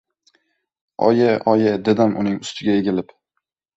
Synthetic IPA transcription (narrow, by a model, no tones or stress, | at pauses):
ɒ̰jaʔɒjad̪ed̪amʔʊ̰nɪŋʊst̪ʰɪɡʲajeɡʲɪlɪp